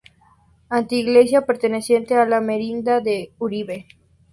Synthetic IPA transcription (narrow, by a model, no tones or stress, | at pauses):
ant̪iːɣlesjapeɾt̪enesjent̪ealameɾind̪aðeuɾiβe